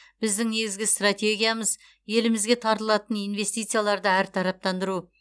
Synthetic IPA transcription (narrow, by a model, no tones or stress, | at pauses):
b̥ɪzd̪ɪŋne̞ɡʲɪzɡʲɪst̪rat̪ʲe̞ɡʲijaməz | je̞lɪmɪzɡʲe̞t̪ʰɑɾt̪əlˠɑt̪ənijnve̞st̪ijt̪sɨjalˠɑɾd̪əæɾt̪ʰɑɾɑp̚t̪ɑnd̪əɾu